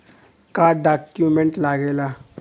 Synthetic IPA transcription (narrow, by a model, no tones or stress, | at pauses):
kaɖakjumeɳʈlaɡela